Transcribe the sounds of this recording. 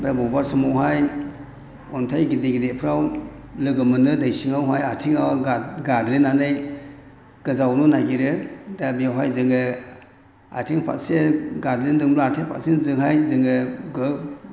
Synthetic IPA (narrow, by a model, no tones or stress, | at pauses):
bɾabɔbaɾsɯmawɦaj | ɔntʰajɡideɡidepʰɾaw | lɯɡɯmɯnɯdajsiŋawɦajatʰiŋawaɡadɾinanɯj | ɡ̥ɯzawnunaɡiɾɯdabiawɦajzɯŋɯ | a̰tʰiŋpʰa̰seɡadɾindɯŋmlaatʰepʰa̰sinzɯŋɦajzɯŋɯɡɯ